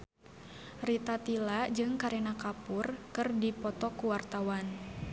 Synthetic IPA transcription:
rit̪at̪ilad͡ʒɨŋkaɾɛnakapʊrkɨrdipɔt̪ɔkuwart̪awan

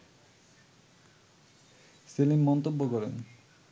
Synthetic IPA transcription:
selimːɔnt̪obːokɔɾen

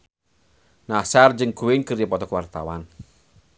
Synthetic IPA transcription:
nasard͡ʒɨŋɡ̥uwɪŋkərjəpɔt̪ɔkwart̪a̰wan

